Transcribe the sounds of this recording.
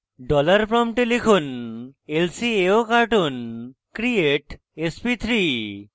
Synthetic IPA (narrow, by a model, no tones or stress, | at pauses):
ɖɔlaɾpɾɔmʈelikʰunelsieokaɾʈunkɾieʈ | espit̪ʰɾi